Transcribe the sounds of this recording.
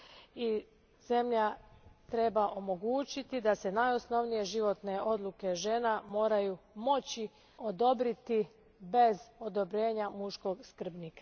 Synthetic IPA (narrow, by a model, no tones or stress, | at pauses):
i | z̥e̞mʎat̪ɾe̞baʔo̞mo̞ɡuːt͡ɕit̪id̪ase̞najo̞sno̞ʋnije̞ʒiʋo̞t̪ne̞ʔo̞d̪lˠuke̞ʒe̞ːnamo̞ːɾajumo̞t͡ɕi | o̞d̪o̞bɾit̪i | be̞zo̞d̪o̞bɾe̞ːɲamuʃko̞ɡskr̩bnika